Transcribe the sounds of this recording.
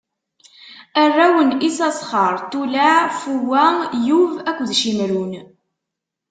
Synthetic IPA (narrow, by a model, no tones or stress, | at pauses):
ərːæwənisɑsˤχəɾˤt̪ulaʕfuwæjuvækʷːðʃimɾun